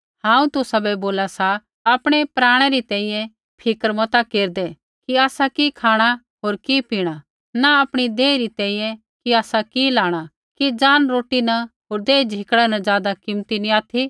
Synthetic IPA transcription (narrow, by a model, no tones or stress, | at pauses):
hãːũt̪ʊsabɛboːlasa | aːpɽ̃epɾaːɽ̃ɛɾit̪ɛ̃ːĩjɛ̃ | pʰɪkəɾmɐt̪akeːɾd̪ɛ | kiaːsakikʰaːɽ̃a | ɦoːɾkipiːɽ̃a | naɐpɽ̃id̪eːiɾit̪ɛ̃ːĩjɛ̃ | kiaːsakilaːɽ̃a | kid͡zaːnɾoːʈinaɦoːɾd̪eːd͡ʒʱɪkɽɛnɐzjaːd̪akɪmt̪iniaːt̪ʰi